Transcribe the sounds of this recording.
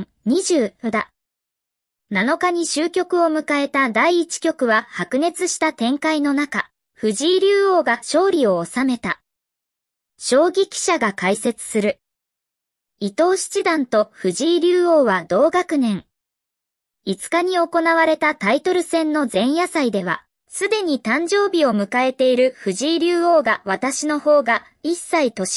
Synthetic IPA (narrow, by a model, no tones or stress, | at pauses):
ɲ̟iʑɨːd̪a | nano̞kaɲ̟iɕɨːkʲo̞kɯ̟o̞mɯ̟kae̞t̪ad̪aiːt͡ɕi̥kʲo̞kɯ̟βahakɯ̟ne̞t͡sɨɕi̥t̪at̪ẽ̞ŋkaino̞naka | ɸɯ̟ʑiːɾʲɨːo̞ːɡaɕo̞ːɾʲio̞ːsame̞t̪a | ɕo̞ːɡʲikʲi̥ɕaɡakaise̞t͡sɨ̥sɨɾɯ̟ | it̪o̞ːɕi̥t͡ɕid̪ãnt̪o̞ɸɯ̟ʑiːɾʲɨːoːβad̪o̞ːɡakɯ̟nẽ̞ŋ | it͡sɨ̥kaɲ̟io̞ko̞naβaɾe̞t̪at̪ait̪o̞ɾɯ̟sẽ̞nːo̞zẽ̞ɰ̃jasaid̪e̞β̞a̰ | sɨd̪e̞ɲ̟it̪ãɲ̟d͡ʑo̞ːbʲio̞mɯ̟kae̞t̪e̞iɾɯ̟ɸɯ̟ʑiːɾʲɨːo̞ːɡaβat̪aɕino̞ho̞ːɡa | isːait̪o̞ɕ